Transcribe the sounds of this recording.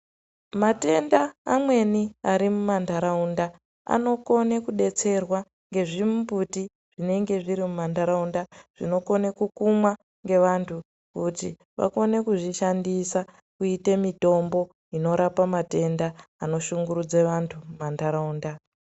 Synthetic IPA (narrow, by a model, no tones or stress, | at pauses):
mate̞ndaːmwe̞niaɾimumandaɾaunda | a̰no̞ko̞nekuɗe̞t͡se̞rwa | ŋɡe̞ʐimumbʱuti | ʐ̥ine̞ŋɡe̞ʐiɾimumandaɾaundaʐ̥ino̞ko̞ne̞kukumwa | ŋɡe̞ʋantʰu | kuti | ʋa̰ko̞ne̞kuʐiʃandisa | kuitemito̞mbo̞ | ino̞ɾapamate̞ndaːno̞ʃuŋɡuɾud͡zeʋantʰumumandaɾauːnda